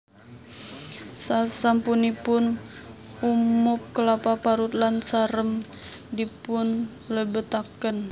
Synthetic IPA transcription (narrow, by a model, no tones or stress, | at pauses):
sasampunipʊn | umʊp̚kəlapapaɾut̪̚lansaɾəm | dipʊn | ləbət̪akən